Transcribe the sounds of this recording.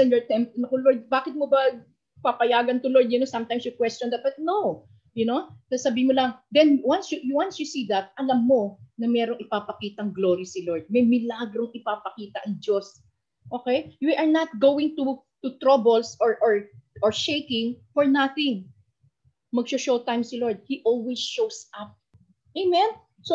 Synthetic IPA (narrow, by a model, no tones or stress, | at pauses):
ɛnjɛɹt̪ɛmpnɐkoloɹd̪̚baːkɪt̪̚mobɐ | papɐjaːɡɐnt̪ʊloɹd̪jʊnosɐmt̪ajmsjʊkwɛst͡ʃɔnd̪ɐbɐt̪̚now | jʊnosasɐbiːɪmolɐŋd̪ɛnwansjʊjwansjʊsiːd̪ɐt̪̚ʔɐlɐmːo̞nɐmɛːɾoŋɪpapɐkiːt̪ɐŋɡlo̞ːɾɐsɪloɹd̪̚mɐjmɪlaɡɾo̞ŋɪpapɐkiːt̪ɐʔɐŋd͡ʒo̞s | ʔoːkɛjwiʔɐɹnɐt̪̚ɡowɪ̃ŋt̪u | t̪ʊt̪ɾabɛlsɔɹʔoɹʔɔɹʃejkɪ̃ŋfɔɹnaθɪŋ | mɐɡʃoʃowt̪ajmsɪloɹd̪̚hiʔolwisʃowsʔap̚ | ʔejmɛ̃n | so